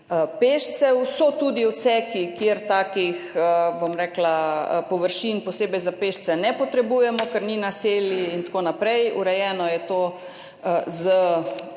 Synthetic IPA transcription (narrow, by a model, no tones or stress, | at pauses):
əpeːʃsɛwsɔt̪uːd̪iwt̪sɛkikjeɾt̪aːkixəbomɾɛːklapɔʋəɾʃinpɔseːbɛjzapeːʃt͡s̪ɛnɛpɔt̪ɾɛbuːjɛmɔkəɾninaseːljiint̪akoːnapɾɛjṵɾɛjɛːnɔjɛt̪oː | əzə